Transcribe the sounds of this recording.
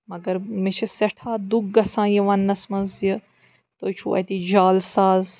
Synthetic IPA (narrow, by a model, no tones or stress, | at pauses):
mɐɡɐɾmet͡ʃʰɐsɐʈʰaːd̪uk̚ɡɐsãːjiʋɐnːɐsmɐzjɐ | t̪oːt͡ʃʰuɐ̰t̪iːd͡ʒaːlsaːz